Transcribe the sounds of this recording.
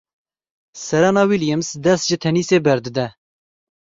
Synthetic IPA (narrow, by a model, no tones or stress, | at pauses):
sɛɾɑnɑːwiljɛmsd̪ɛst̪ʒɨt̪ʰɛniːseːbɛɾd̪ɨd̪ɛ